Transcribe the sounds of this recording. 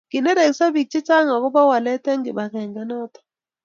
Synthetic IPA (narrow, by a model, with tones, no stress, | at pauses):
ɡ̥ɪ˨nɛ˦ɾɛ˨ksa˦bi˨k̚t͡ʃɪ˦t͡ʃa˦ŋa˨kɔ˦ba˦wa˨lɛ˦tɛ˦ŋɡɪ˨ba˨ŋɛ˨ŋɡɛ˨nɔ˦t̪ɔ̥˨